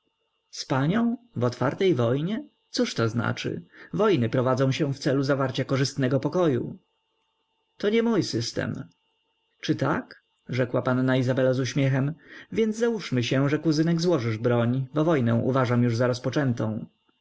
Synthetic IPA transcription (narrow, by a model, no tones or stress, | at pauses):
spaɲɔ̃w̃vɔt̪fa̰ɾt̪ɛjvɔjɲɛ | t̪suʂt̪ɔzna̰t͡ʂɘ̰vɔjnɘpɾɔvad̪zɔ̃ɕɛ̃ft̪sɛluzavaɾt͡ɕakɔʐɘst̪nɛɡɔpɔkɔjṵ | t̪ɔɲɛmujsɘst̪ɛ̰m | t͡ʂɘt̪a̰k | ʐɛkwapanːaizabɛlazuɕmʲjɛxɛmvʲjɛnd̪zzawuʂmɘɕɛ̃ʐɛkuzɘnɛɡzwɔʐɘʐbɾɔɲbɔvɔjnɛ̃w̃ʔṵvaʐamjuʐzaɾɔspɔt͡ʂɛnt̪ɔ̃w̃